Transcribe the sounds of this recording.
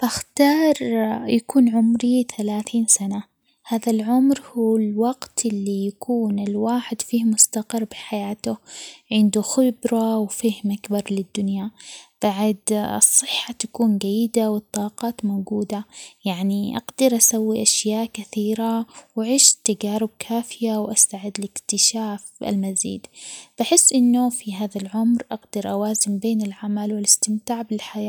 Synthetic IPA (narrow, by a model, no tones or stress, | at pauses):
baxt̪ɑːɾˤjakuːnʕʊmɾiθalaːθiːnsana | haːðalʕʊmɾhuːɪlwɑɡt̪ʔɪlːijakuːnɪlwaːħɪd̪fiːhmʊst̪aqɪrˤbɪħajaːt̪ʊʕɪnd̪uxɪbɾˤɑwfɪhmʔakbɑɾˤlɪd̪ːʊnjab̥aʕd̪ɨ̰sˤːɨħːat̪ḁkuːnɡajːɪd̪awɨt̪ˤːɑːqɑːt̪moːɡuːd̪ajaʕniʔa̰ɡd̪ɑɾʔasawːiʔaʃjaːʔkaθiːɾawaʕiːʃt̪ːaɡaːɾʊb̚kʰaːfɪjawʔast̪aʕɪd̪ːlɪkt̪ɪʃaːfʔɪ̰lmazḭːd̪b̥aħɪsːʔɪnːʊfiɦaːðalʕʊmɾʔaɡd̪ɑɾʔawaːzɪmbeːnɪlʕamalwɪlɪst̪ɪmt̪aːʕbɪlħajaː